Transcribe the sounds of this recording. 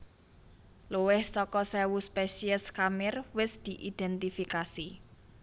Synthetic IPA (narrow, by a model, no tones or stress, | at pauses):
luwɪhsɔkɔsɛwuspɛsiəskamɪrwɪsd̪̥i̤ʔid̪̥ɛnt̪ifikasi